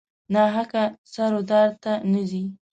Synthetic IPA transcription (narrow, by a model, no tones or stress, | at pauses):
nɑɦakasaɾod̪ɑɾt̪anazi